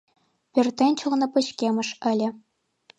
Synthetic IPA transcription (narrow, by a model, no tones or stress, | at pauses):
pʲɘ̆rʲt̪ʲːenʲt͡ɕʰuʁnɤ̆pɤ̆ɕkʲemɘ̆ʂɘ̆lʲɘ̆